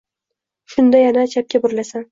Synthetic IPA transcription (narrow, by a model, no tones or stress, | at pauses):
ʃʊnd̪ajanaːt͡ʃʰap̚kʲabʊɾlasan